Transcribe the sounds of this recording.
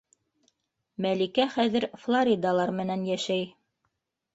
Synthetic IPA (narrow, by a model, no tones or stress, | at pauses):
mælikæχæðɘ̆ɾflˠoɾʲid̪ɑlˠɑɾmɘ̆nænjæʃæj